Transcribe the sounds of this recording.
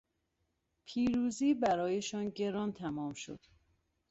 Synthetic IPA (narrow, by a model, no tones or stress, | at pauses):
pʰiːɾuːziːbæɾɒːjeʃɒnɟe̞ɾɒːnt̪ʰæmɒːmʃo̞̰d̪̥